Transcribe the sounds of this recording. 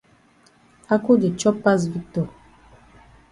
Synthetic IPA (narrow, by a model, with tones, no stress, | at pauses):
a˦ku˦di˨t͡ʃɔ˦pːa˦s̬vi˦k̚tɔ˨